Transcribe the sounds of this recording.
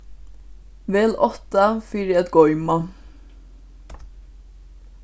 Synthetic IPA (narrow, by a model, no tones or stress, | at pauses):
vɛːlɔht̪afiːɾɪat̪ɡɔjma